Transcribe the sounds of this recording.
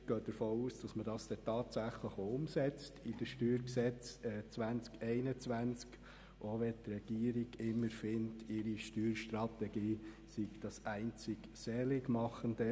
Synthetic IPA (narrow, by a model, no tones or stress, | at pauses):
ɡ̥œːd̥əɾfoːuːsd̥ɑsmədɑsd̥ɛtɑːtsæχləχoʊmsɛt͡stʰɪd̥əʃtyːɾksɛt͡sɛt͡sʋænt͡skɛɪnət͡sʋænt͡sk | ʔoʋɛtrɛɡ̥iːəɾiɡ̥ɪmːəɾfɪntʰɪɾiʃtyːɾʃtrɑtɛɡiː | siɡd̥ɑsæɪnt͡sɪɡ | sɛlɪɡmɑχəndə